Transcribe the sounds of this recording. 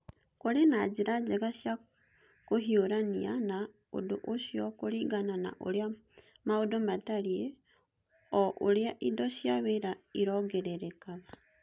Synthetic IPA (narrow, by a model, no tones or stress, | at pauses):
koɾenad͡ʑeɾad͡ʑɛɣaɕja | koɦioɾaniana | o̰doʔosiɔkoɾiɡanana̰ʔo̰ɾea | maodomataɾie | ɔʔoɾeaʔidɔɕjaweɾaiɾɔɡɛɾɛɾɛkaɣa